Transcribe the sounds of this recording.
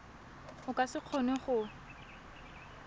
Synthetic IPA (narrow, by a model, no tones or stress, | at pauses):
ʊkʼasɪq͡χʰɔnɛχʊ